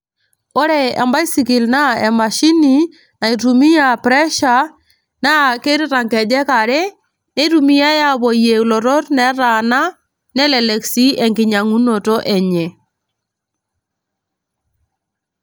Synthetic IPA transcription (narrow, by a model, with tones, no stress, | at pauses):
ɔ˦ɾɛ˨ɛ̰˨mba˦i˦si˨ki˨lna˦ɛ˨ma˨ʃi˦ni˨ | na˨i˨tu˨mi˦ja˨pɾɛ˦ʃa˨ | na˦ke˦ɾi˦ɾa˨ŋkɛ˨d͡ʒɛ˦ka˨ɾɛ˦ | nɛ˦ɾu˨mi˦ja˦ja˦bɔ˨je˨lɔ˨ɾɔ˦tnɛ˨ɾa˨na˦ | nɛ˦lɛ˨lɛ˨ksi˦ɛ˨ŋɡɪ˨ɲa˨ŋu˦no˨tɔ˦ʔɛ˨ɲɛ˨